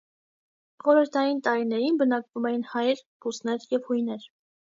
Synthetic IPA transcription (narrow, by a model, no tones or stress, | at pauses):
χɔɾəɾt̪ʰɑjint̪ɑɾinɛɾinbənɑkvumɛjinhɑjɾbʰusnɛɾjɛvhujnɛɾ